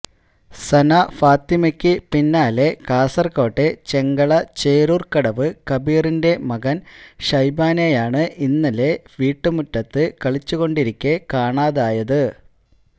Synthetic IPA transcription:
sɐnafaːt̪imɐkʲːɨpinːaːle̞kaːsɐrko̞ːʈːet͡ɕe̞ŋɡɐɭɐt͡ɕeːɾurkɐɽɐʋɨkɐbiːrinde̞mɐɣɐnɕɐjbaːnejaːɳɨʔinːɐle̞ʋiːʈːɨmutːɐt̪ːɨkɐɭit͡ɕːuɣo̞ɳɖiɾikʲːekaːɳaːðaːjɐðɨ

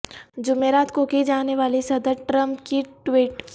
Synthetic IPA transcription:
d͡ʒʊmeːɾaːt̪kokid͡ʒaːneʋaːlisɐd̪əɾʈɾə̃mpkiʈwiːʈ

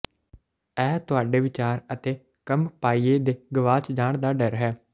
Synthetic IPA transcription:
ɛːt̪ʊaːɖeːʋɪt͡ʃaːɾət̪eː | kəmpaːiːeːd̪eːɡəʋaːt͡ʃd͡ʒaːɳd̪aːɖəɾɦɛː

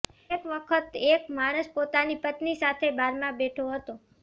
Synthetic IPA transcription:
ekʋəkʰət̪ekmaɽ̃əspot̪anipət̪nisat̪ʰebʱaɾmãbeʈʰoɦət̪o

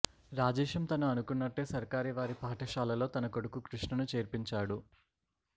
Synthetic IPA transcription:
ɾaːd͡ʒɛːʂɐmt̪ɐnuɐnukunːɐʈːe̞ːsɐɾkaːɾiʋaːɾipaːʈɐʃaːlɐlo̞ːt̪ɐnɐkoɽukukɾuʂɳɐnut͡ʃe̞ːɾpiɲt͡ʃaːɽu

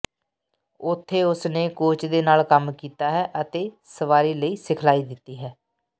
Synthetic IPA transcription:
ʊt̪ʰːeːʊsneːkoːt͡ʃd̪eːnaːlkəmkiːt̪aːɦɛːʔət̪eː | səʋaːɾiːləiːsɪkʰlaːiːd̪ɪt̪ːiːɦɛː

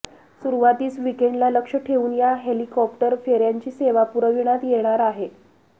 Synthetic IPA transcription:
suɾuʋat̪iːt͡sʋikeɳɖlaləkʂəʈʰeʋuːnjaɦelikɔp̚ʈəɾfeɾjaɲt͡ɕiːseʋapuɾəʋiɽ̃at̪jeɽ̃aɾaɦe

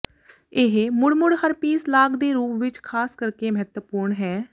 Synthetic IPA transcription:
ɪɦmʊɽmʊɽhəɾpiːslaːɡd̪eːɾuːpʋɪt͡ʃkʰaːskəɾkeːməɦət̪wəpuːɾɳɦɛː

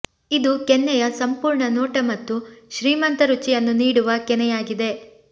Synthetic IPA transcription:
id̪ukɛnːɛjɐsɐmpuːɾɳɐnoːʈɐmɐt̪ːuʃɾiːmɐnt̪ɐɾut͡ʃijɐnːuniːɽuʋɐkɛnɛjaːɡid̪e̞

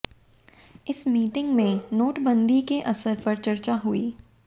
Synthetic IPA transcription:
ɪsmiːʈɪ̃ŋɡmẽnoːʈbɐ̃nd̪ikeʔɐsəɾpɐɾt͡ʃɐɾt͡ʃaɦʊiː

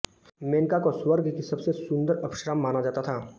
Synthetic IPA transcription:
meːnkakoswəɾɡkisɐbsesʊ̃nd̪əɾɐbʃɾəmːaːnad͡ʒaːt̪at̪ʰaː

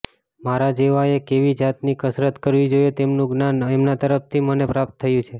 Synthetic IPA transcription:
maɾad͡ʒeʋaekeʋid͡ʒat̪nikəsɾət̪kəɾʋid͡ʒojet̪emnũɡnanɛmnat̪əɾəft̪ʰimənepɾap̚t̪ʰːəjũt͡ʃʰe

